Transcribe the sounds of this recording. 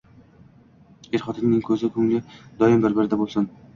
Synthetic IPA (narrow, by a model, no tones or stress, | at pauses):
eɾχɒt̪ʰɪmnɪŋkʲʰɵzɪkʰɵŋlɪd̪ɒɪmbɪɾbɪɾd̪abolˠsɪn